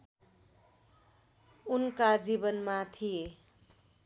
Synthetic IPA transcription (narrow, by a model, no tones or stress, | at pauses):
unkad͡zibʌnmat̪ʰije